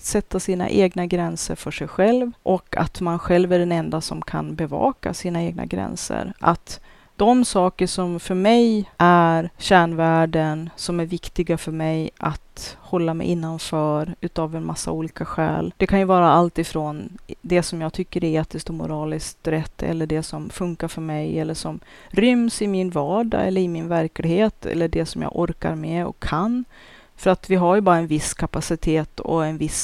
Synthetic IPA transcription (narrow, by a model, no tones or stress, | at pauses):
t̪sɛt̪ːasiːna̰ʔeːɡnaɡɾɛnsə̰ɾfœʂɛjɧɛlvʔɔka̰t̪manɧɛlvæɖɛnɛnd̪asɔmkʰa̰nbɛvɑ̰ːka̰siːnaeːɡ̚na̰ɡɾɛ̰nsə̰ɾʔa̰t̪ | d̪̥ɔmsɑːkəʂɔmfœɾmɛjʔæɾɕæːɳvæːɖənsɔmæɾvɪkt̪ɪɡafœɾmɛjʔat̪hɔlːamɛ̰jʔɪnːanfœːɾʉ̟ːt̪avɛnmʔasːa̰uːliːkaɧɛ̰ːld̪̥ɛkʰanjɵvɑːɾaalt̪ɪfɾoːnd̪ɛsɔmjɑːɡ̚t̪ʰʏkːəɾɛeːt̪ɪskt̪ɔmʊ̰ɾɑːlɪskt̪ɾɛt̪ːɛ̰lːəɖɛsɔmfɵŋkaɾfœɾmɛjɛlːəʂɔm | ɾʏmsɪmɪnvɑːɖa̰ɛ̰lːəɾɪmɪnvæɾklɪɡheːt̪ʰɛ̰lːəɖɛsɔmjɑ̰ːɡʔɔɾka̰ɾmɛɔ̰kʰːanː | fœɾat̪vɪɦaɾjɵbɑːɾaɛnvɪskʰapasɪt̪ʰeːt̪ʰɔ̰ɛnvɪs